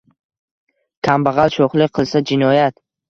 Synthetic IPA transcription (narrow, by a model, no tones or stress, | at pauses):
kʲʰambaʁɑlˠʃoχlˠɪqʰɨlˠsad͡ʒɪnɒjat̪